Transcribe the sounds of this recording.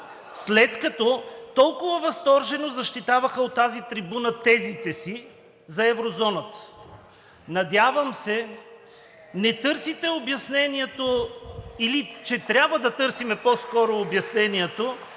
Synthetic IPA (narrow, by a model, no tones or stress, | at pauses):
slɛt̪kɐt̪ɔt̪ɔlˠkʊvɐvɐst̪ɔɾʒɛnozɐʃt̪it̪avɐxəot̪ːazit̪ɾibunɐt̪ɛzit̪ɛsi | zɐɛvɾozɔnət̪ə̥ | nɐd̪ʲjavəmsɛ | nɛt̪ɤɾsit̪ɛobjɐsnɛniɛt̪o | ilit͡ʃɛt̪ɾʲabvəd̪ɐt̪ɤɾsimɛpɔskɔɾoːbjɐsnɛniɛt̪o